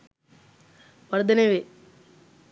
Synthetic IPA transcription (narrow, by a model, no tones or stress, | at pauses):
ʋɐɾd̪ʱɐneʋe